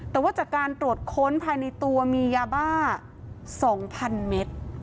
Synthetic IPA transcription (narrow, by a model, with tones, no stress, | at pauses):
t̪ɛː˨˩waː˥˩t͡ɕaː˨˩kkaː˧nt̪ɾu˨˩ət̪̚kʰo˦˥npʰaː˧jna˧jt̪u˧ɐmiː˧jaː˧baː˥˩ | sɔː˩˦ŋpʰa˧nme˦˥t̪̚